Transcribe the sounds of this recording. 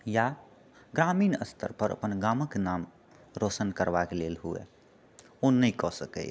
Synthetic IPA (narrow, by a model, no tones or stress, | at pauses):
ja | ɡɾaːmiːnəst̪ʰə̰ɾpəɾə̰pənɡaːməknaːm | ɾoːsənkəɾbakeleːlɦuɛ̰ | onəĩkɔsəkɛ̰